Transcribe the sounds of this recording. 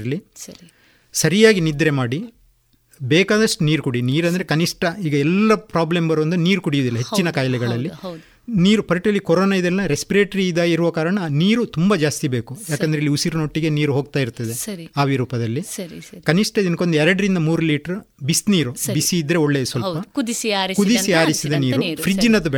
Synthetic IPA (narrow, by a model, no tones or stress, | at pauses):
ɐlːi | sɐɾijaːɡinid̪ɾe̞maːɽi | beːkaːd̪ɐʂʈuniːɾukuɽiniːɾɐnd̪ɐɾekɐniʂʈɐiːɡɐɛlːɐpɾaːblembɐɾʋɐnd̪niːɾukuɽijuːd̪ilːɐɦet͡ʃt͡ʃːinɐkaːjɐlɛɡɐɭɐlːi | niːɾupɐɾiʈɐlːikɔɾoːnaid̪ɛlːɐɾespiɾeːʈɐɾiːd̪aːiɾuʋɐkaːɾɐɳɐniːɾut̪umbɐd͡ʒaːst̪ibe̞ːkujaːkkend̪ɾeilːiusiɾnoːʈːiɡe̞niːɾuɦoːɡ̚t̪aːjiɾt̪ːɐd̪eaːʋiɾuːpɐd̪ɐlːikɐniʂʈɐd̪inko̞nd̪eɛɾɐɽɐɾind̪ɐmuːɾuliːʈɐɾubisniːɾubisiːd̪ɾe̞oɭːeːsʋɐlpɐkd̪sɾkud̪isiaːɾisid̪ɐniːɾupɾid͡ʒinɐd̪u